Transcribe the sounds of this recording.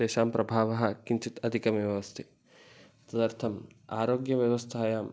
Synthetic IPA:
eːʃaːmpɾɐbʱaːʋɐɦɐ̆kiɲt͡ʃit̪ɐd̪ʱikɐmjɐʋʋɐst̪ʰi | ɐt̪ɐd̪ɐɾt̪ʰɐm | aːɾoːɡjɐʋjɐʋɐst̪ʰaːjaːm

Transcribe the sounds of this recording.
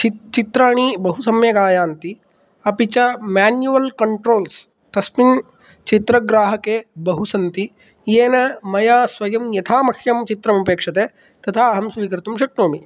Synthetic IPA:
t͡ʃit͡ʃit̪ɾaːɳ̃ibɐɦusɐmjɐɡaːjaːnt̪i | ɐpit͡ʃɐmaːnjuʋɐlkɐɳʈɾoːls | t̪ɐsmin | t͡ʃit̪ɾɐɡɾaːɦɐkebɐɦusɐnt̪i | jeːnɐmɐjaːsʋɐjɐmjɐt̪ʰaːmɐkʰjɐmt͡ʃit̪ɾɐmɐpeːkʂɐt̪eː | t̪ɐt̪ʰaːɦɐmsʋiːkɐɾt̪umʃɐk̚ʈoːmi

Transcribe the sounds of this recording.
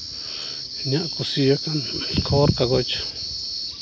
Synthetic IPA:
ɲãʔkusijokankʰoɾkaɣot͡ʃḁ

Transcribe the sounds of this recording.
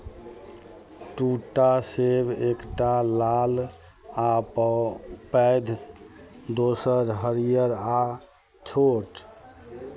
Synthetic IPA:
ʈuʈasebʱekʈalal | ap | pɛjd̪ʱ | d̪osəɾɦəɾijəɾa | t͡ʃʰoʈ

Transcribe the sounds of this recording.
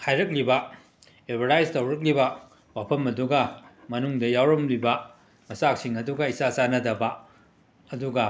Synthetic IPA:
kʰajɾɐk̬̚libɐ | ebʱɐɾajztɐwɾɐk̬libɐ | wapʰɐmɐduɡɐmɐnuŋdɐjawɾɐmlibɐ | mɐsak̚siŋɐduɡɐisasanɐdɐbɐ | ɐduɡɐ

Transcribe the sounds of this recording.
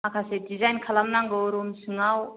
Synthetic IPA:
akʰasedizajnkʰalamnaŋɡɯwɾumsɯŋaw

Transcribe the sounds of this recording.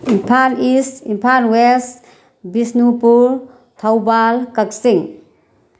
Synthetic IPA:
impʰanisimpʰanwest | bisnupuɾ | t̪ʰawbalkaksiŋ

